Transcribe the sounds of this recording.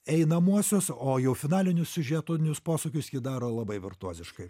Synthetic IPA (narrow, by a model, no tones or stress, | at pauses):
ɛɪnɐmuɔsʲosoːjɛʊfʲɪnɑːlʲɪnʲʊsʲsʲʊʒʲiɛt̪ʊnʲʊspoːsokʲʊsjɪd̪ɑːɾoːlˠɐbɐɪʋʲɪrt̪uɔzʲɪʃkɐɪ